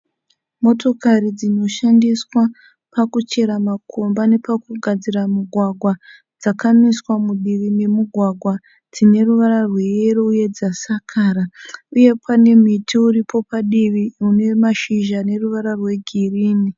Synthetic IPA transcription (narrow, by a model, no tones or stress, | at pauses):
mo̞to̞kaɾid͡zino̞ʃandiswa | pakut͡ʃe̞ɾamakʰo̞mbane̞pakuɡʱad͡ziramuɡʱwaɡʱwa | d͡zakamiswamuɗiʋime̞muɡʱwaɡʱwa | d͡zine̞ruʋaɾarwe̞eɾouje̞d͡zasakʰaɾauje̞pʰane̞m̤itʰiuɾipʰo̞paɗiʋiune̞maʃiʒane̞ruʋaɾarwe̞ɡʱiriːni